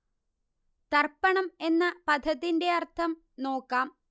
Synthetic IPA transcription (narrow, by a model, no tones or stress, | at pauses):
t̪ɐrpːɐɳɐme̞nːɐpɐd̪ʱɐðinde̞ɐrt̪ʰɐm | no̞ːkːaːm